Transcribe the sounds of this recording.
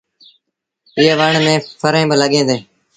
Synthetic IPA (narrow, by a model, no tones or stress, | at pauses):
ɪːʋəɳmẽːpʰəɾẽːbələɠẽːd̪eː